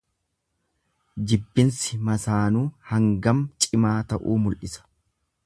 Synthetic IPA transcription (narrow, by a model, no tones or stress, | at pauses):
d͡ʒɪbːɪnsɪmɐsaːnuːhɐŋɡɐmt͡ʃʼɪmaːt̪ɐʔuːmʊlʔɪsɐ̥